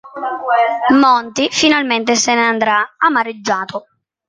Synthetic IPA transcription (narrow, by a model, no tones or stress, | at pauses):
mɔnt̪ifinalment̪ɪseneand̪ɾaamaɾɪd͡ʒːaːt̪ʰʊ